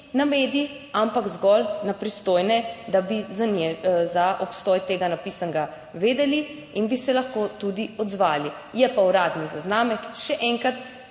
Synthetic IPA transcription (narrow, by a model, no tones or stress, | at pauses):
nameːd̪ii | ampaɡzɡɔlnapɾist̪oːjnɛd̪abizanɛzaʔɔpst̪ɔːjt̪eːɡanapisaŋɡa | ʋeːd̪ɛli | inbisɛlaxkoːt̪ud̪iɔd̪zʋaːli | jɛpauɾaːd̪nizaznaːmɛkʃɛʔɛŋkɾat̪